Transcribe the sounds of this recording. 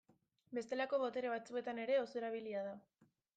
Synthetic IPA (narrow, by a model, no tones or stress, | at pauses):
be̞st̪e̞lako̞βo̞t̪e̞ɾe̞β̞at͡sue̞t̪ane̞ɾe̞o̞soe̞ɾaβ̞iliað̞a